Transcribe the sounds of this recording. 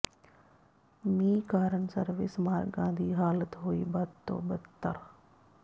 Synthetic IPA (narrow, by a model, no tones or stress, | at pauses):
miːkaːɾənsɐɾʋɪ̰smaːɾɡãːnd̪ʱiːɦaːlət̪ɦoːiːbɐd̪t̪ːo̰ːbɐt̪ːə̰ɾ